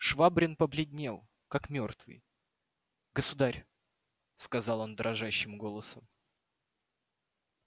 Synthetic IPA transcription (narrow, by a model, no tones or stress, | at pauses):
ʂvabɾʲɪnpəblʲɪdʲnʲelˠ | kakmʲo̞rt̪vɨ̰j | ɡəsʊd̪aɾʲ | skɐzɑlˠo̞nd̪ɾʔɐʐaɕːɪmɡo̞lˠəsəm